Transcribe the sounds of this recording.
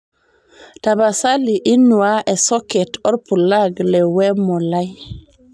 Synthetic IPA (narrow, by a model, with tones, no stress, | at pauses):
ta˨ba˨sa˦li˨ʔi˦nːu˨wa˦ʔe˨so˦kɛ˨to˦ɾpu˨la˦ɡle˨we˦mo˨la˦j